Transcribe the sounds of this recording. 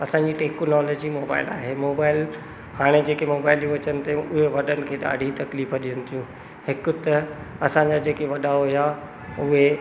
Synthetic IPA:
ɐsãːɲd͡ʑiʈeːknɔːloːd͡ʑimoːba̰ːɪla̰ːɦemoːbaːɪl | haːɽ̃ed͡ʑeːkemoːbaːɪljũʋɐt͡ɕənɪ̆t̪eʊɦeʋɐɗənɪ̆kʰeːɗa̰ːɖʱit̪ɐkliːfəɗijə̃nɪt̪ʰijũ | hɪkʊt̪ɐɐsãːɲd͡ʑad͡ʑeːkeʋɐɗaːoɦija | ʊɦe

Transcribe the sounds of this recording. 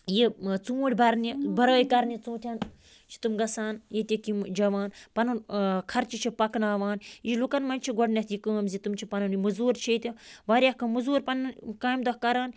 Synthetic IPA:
jit͡suːʈʲbɐɾnibɐɾoːjkɐɾnit͡sũːt̪ʲʰɐn | t͡ʃʰi̥t̪umɡɐsaːnjet̪ʲikimd͡ʒɐʋaːnpɐnunkʰɐɾt͡ʃʰit͡ʃʰipɐknaːʋaːniʃlukɐnmɐnʲt͡ʃʰiɡɔɖnɐt̪jikɨɐmzit̪umt͡ʃʰipɐnɐnimɨzuːɾt͡ʃʰet̪ʲiʋaːɾʲjahkɐmɨzuːɾpɐnɐnkaːjmd̪ɐhkɐɾaːn

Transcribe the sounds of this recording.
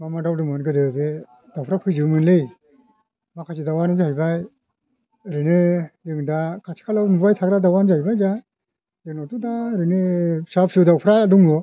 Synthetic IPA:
mamadawdɯmɔnɡɯdɯbe | d̥awpʰɾapʰɯzɯmɯnlɯj | makʰasidawanzajbaj | ɾɯnɯjɯŋdakʰasʰi̥kʰalawmubajtʰaɡɾadawanzajbajza | jɯŋnɔtudaɾɯnɯsap̚sɯwdawpʰɾaduŋlɔ

